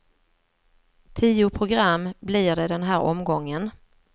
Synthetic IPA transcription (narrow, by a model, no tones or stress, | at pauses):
t̪ʰiːʊpʰɾʊɡɾamːblɪɖ̪ɛd̪ɛnɦæːɾʔɔ̰mɡɔŋːən